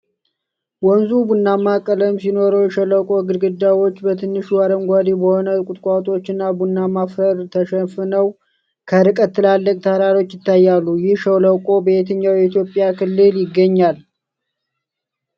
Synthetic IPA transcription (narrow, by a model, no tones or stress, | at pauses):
wɔnzubunːamakʼələmsino̞ɾowjɛʃələwkʼo̞ɡɨɾɡɨd̪ːawo̞t͡ʃːbət̪ʰɨnːɨʃuwaɾəŋɡʷad̪ibəho̞nəkʼʊt̪ʼkʼat̪ʼo̞t͡ʃːɨnːabunːamafəɾt̪ʰəʃəfɨnəw | kʰəɾɨkʼət̪ːɨlalːəkʼt̪ʰəhɾaɾo̞t͡ʃːjɪt̪ːajːalːujɪhʃəwləwkʼo̞bəet̪ʰəɲːawjɛit̪jo̞pʼːjakʰɨlːɨljɪɡːəɲːal